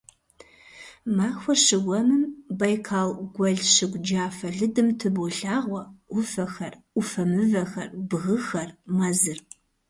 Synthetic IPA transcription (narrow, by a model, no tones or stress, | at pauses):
maːxʷɔʃɨɡʷɔmɨmbɐjkʰaːlɡʷɐɮʃɨɡʷd͡ʒaːfɐɮɨdɨmtʰɨbɔɬaːʁʷɔʊfɐxɐrʷ | ʊfɐmɨvɐxɐ̰rbɣɨxɐrmɐzɨr